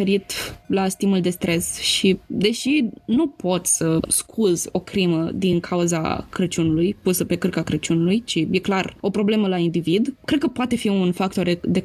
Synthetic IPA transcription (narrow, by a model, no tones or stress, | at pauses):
eɾit̪last̪imuld̪e̞st̪ɾe̞sʃid̪e̞ʃinupo̞t̪ʲsəskʰuzʲo̞kɾiməd̪iŋkʰauza̰kɾət͡ʃunulujpusəpe̞kɨrkakɾət͡ʃunulujt͡ʃije̞klaro̞pɾo̞ble̞məlaind̪ivid̪kɾe̞d̪̚kəpoat̪e̞fiunfak̚t̪o̞ɾd̪e